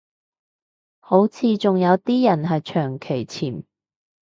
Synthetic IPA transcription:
ho˨˥wt͡sʰiː˨˧t͡sʊ˨ŋjɐ˨˧wt̪iː˥jɐ˨˩nɦɐ˨jt͡ʃʰœː˨˩ŋkʰe˨˩jt͡sʰiː˨˩m

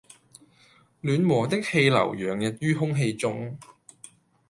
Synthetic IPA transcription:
lyː˨˥nmɔː˨˩t̪ɪ˥k̚he˧jlɐ̰˨˩wjœː˨˩ŋjɐ˨t̚jyː˥ɦʊ˥ŋɦe˧jt͡sʊ˥ŋ

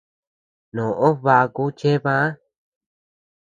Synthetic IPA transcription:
nõ˨ʔo˦βa˧ku˦t͡ʃe˦βã˦

